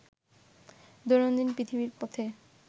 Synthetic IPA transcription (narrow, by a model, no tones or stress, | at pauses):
d̪oɾond̪inpɾit̪ʰiβbiɾpɔt̪ʰe